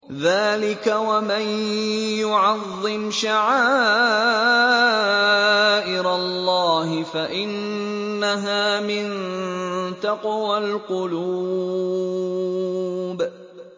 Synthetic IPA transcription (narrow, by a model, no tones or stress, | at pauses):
ðaːlɪkawamanjʊʕɑðˤːɪmʃaʕaː | ʔɪɾalːɑːɦɪfaʔɪnː | aɦaːmɪn | t̪ɑqwalqʊluː | b